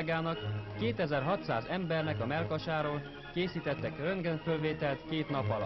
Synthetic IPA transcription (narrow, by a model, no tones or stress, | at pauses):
ɡaːnɒkːeːt̪ɛzɛrɦɒt̪sa̰ːzɛmbɛrnɛkɒmɛlkɒʃaːɾoːl | keːsiːt̪ɛt̪ːɛkrøŋɡɛɱfølveːt̪ɛlt̪keːt̪nɒpɒl